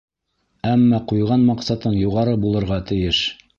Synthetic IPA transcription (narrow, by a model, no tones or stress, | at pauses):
æmːɑqujʁɑnmɑqsɑt̪ɤɴjuʁɑɾɤbulˠɤ̆ɾʁɑt̪ɘ̆jɘʃ